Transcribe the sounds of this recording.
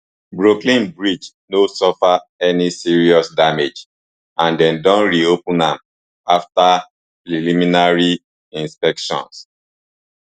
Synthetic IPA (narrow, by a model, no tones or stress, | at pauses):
bɹoklĩnbɹid͡ʒ | nosɔfaɛnisiɹiɔsdamed͡ʒ | ãndɛ̃ndɔ̃nɹiopũnãm | afta | pɹilimĩnaɹi | ĩnspɛkʃɔ̰̃ns